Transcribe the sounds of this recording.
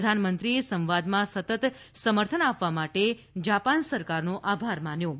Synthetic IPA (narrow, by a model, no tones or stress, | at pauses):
əd̪ʱanmənt̪ɾiesə̃mʋad̪mãsət̪ət̪ | səməɾt̪ʰənapʋamaʈe | d͡ʒapansəɾkaɾnoʔabʱaɾmanjo